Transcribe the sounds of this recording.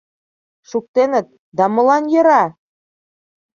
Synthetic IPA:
ʃuk̚t̪enə̆t̪̚ | d̪ɑmɤ̆lɑnjɤ̆ɾɑ

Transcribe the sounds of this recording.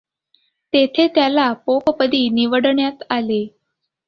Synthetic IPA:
t̪et̪ʰet̪jalapopəpəd̪iːniʋəɽɳjat̪ale

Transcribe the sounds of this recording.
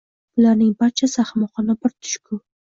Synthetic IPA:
ʊlaɾnɪŋbaɾt͡ʃʰasaχmɒχɒnɪbɪɾt̪ʰʊ̥ʃkʰʊ

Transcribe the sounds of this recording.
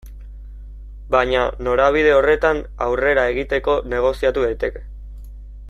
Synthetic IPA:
baɲano̞ɾaβið̞e̞o̞re̞t̪anawre̞ɾae̞ɣit̪e̞ko̞ne̞ɣ̞o̞siat̪uðajt̪e̞ke̥

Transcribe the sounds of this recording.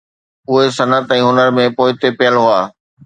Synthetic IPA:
ʊɦesɐnət̪ɛ̃ːɦʊnəɾmẽpoːɪt̪epɪjəlɦʊaː

